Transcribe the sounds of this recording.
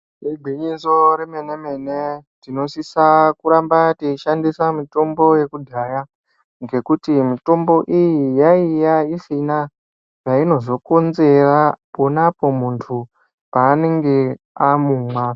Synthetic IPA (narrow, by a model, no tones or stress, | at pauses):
eɡʱiɲiso̞ɾeme̞ne̞me̞netino̞sisakuɾambateiʃandisamito̞mbo̞je̞kudʱaja | ŋɡe̞kutimito̞mbo̞ʔijijaijaisina | ʐaino̞zo̞konze̞rapo̞napo̞muntʰu | paːne̞ŋɡe̞ | amuːmwaː